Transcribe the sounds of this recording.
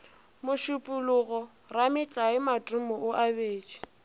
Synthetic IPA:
mʊʃʊpʼʊlʊɣɔ | ramɪt͡ɬʼaɪmatʼʊmɔʔʊʔabeːt͡ʃʼi̥

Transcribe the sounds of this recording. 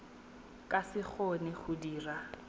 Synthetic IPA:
kʼasɪk͡xʰonɪχʊdiːra

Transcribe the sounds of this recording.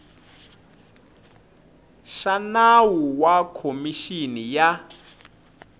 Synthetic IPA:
ʃanawuwakʰomiʃinija

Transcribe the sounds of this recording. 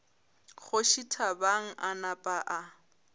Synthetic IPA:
χʊʃitʰabaŋ̩ʔanapʼaʔa

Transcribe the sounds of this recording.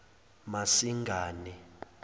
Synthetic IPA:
masiŋɡʱaːnɛ

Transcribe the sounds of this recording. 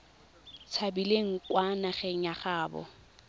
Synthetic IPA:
t͡sʰabileŋ̩kwanaχɛŋ̩aχaːbɔ̰

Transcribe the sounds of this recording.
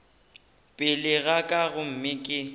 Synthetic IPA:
pʼɪlɪɣakʼaɣʊm̩mɪkʼɪ

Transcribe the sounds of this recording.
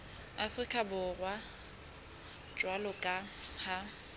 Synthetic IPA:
afrikʼabʊrwa | t͡ʃʼwalɔkʼaha

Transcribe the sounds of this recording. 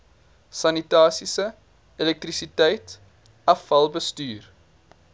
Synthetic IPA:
sɐnitɑːsisə | elɛk̚trisitɛjt | ɐfɐlˠbəstyːr

